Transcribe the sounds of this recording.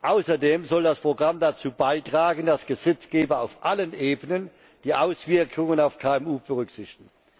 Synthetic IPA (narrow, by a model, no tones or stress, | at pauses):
ʔaʊsɐdeːmzɔldaspʁ̥oɡʁamdat͡suːbaɪtʁ̥aːɡən̩dasɡ̥əzɛt͡sɡ̥eːbɐaʊfʔalənʔeːbənən | d̥iːʔaʊsv̥ɪɐkʰʊŋənaʊfkʰaːɛmuːb̥əʁʏkz̥ɪçtɪ̥ɡŋ̩